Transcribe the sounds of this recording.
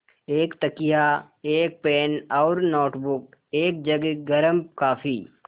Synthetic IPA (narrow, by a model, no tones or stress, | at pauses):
eːkt̪ɐkija | eːk̚peːnɔːɾnoːʈbʊk̚ | eːk̚d͡ʒɐɡɡɐɾəmkaːfi